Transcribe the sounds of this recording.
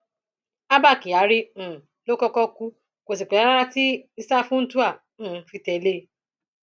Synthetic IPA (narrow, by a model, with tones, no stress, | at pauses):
a˦ba˦˨ki˨a˨˦ɾĩ˦˨ | lo˦kɔ˦kɔ˦ku˦ | ko˨s̬i˨k͡pe˨a˦ɾa˦ɾa˦ti˦i˦sa˦fʊ̃˦n̩˦tu˦ã˦˨˦ | fi˧tɛ˨˦le˦˨˦